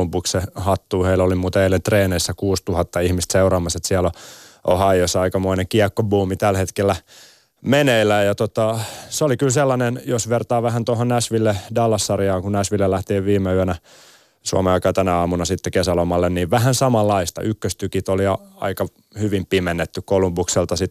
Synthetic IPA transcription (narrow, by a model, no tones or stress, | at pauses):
mpukssehɑt̪ːuːheilolimuːt̪ɑeilːent̪reːneisːækuːst̪uhɑt̪ːɑihmist̪seurɑːmɑset̪siæloo̰hɑijosːɑikɑmoineŋkiɑkːobuːmit̪ælhet̪kelːæ | meneilːˑæjjɑt̪ot̪ɑseolikylselːɑnenjosʋert̪ɑːʋæhænt̪ohonnæsʋilːedɑlːɑsːɑrjɑːŋkunnæsʋilːelæht̪iːʋʋiːmeyænæ | suɑ̰meɑikɑːt̪ænæɑːmunɑsit̪ːekesælomɑlːenniːʋʋæhænsɑmɑlːɑist̪ɑ̰ʔykːøst̪ykit̪oliɑɑ̰ikɑ | hyʋimpimenːet̪ːykkolumbukselt̪ɑsit̪